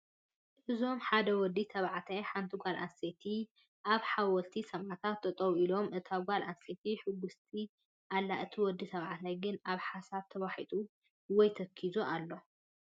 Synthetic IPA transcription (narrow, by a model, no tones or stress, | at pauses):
ʔɨzo̞mħad̪ɐwɔd̪it̪ʰɐβʕat̪ʰajħant̪ʰiɡʷalʔa̰nset̪ʰi | ʔaβħawɔlt̪ʰisɐmʔat̪ʰat̪ːɐt̪ʼɐβuilo̞mʔɨt̪ʰaɡʷalʔanset̪ʰiħɨɡːust̪ʰi | ʔalːaʔɨt̪ʰiwɔd̪it̪ʰɐβʕat̪ʰajɡɨnaβħasaβt̪ʰɐwaħit̪ʼu | wɔjt̪ʰɐkʰːizuʔalːo̞